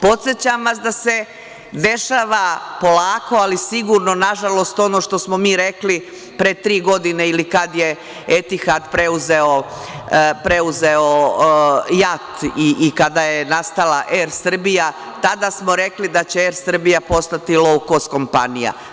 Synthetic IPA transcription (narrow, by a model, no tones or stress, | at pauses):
po̞t̪sjet͡ɕamʋas̬d̪ase̞ | d̪e̞ʃaːʋapo̞laːko̞alisiɡuɾno̞naʒalˠo̞st̪o̞noʃt̪o̞smo̞miːɾekli | pɾet̪ɾiːɡo̞d̪ineilikad̪je | et̪ixad̪pɾe̞uzeo̞ | pɾe̞uzeo | jat̪iʔːkad̪ajenast̪alaʔeɾsr̩bija | t̪ad̪asmo̞ɾe̞klid̪at͡ɕeeɾsr̩bijapo̞st̪at̪ilˠoko̞st̪ko̞mpa̰nija̰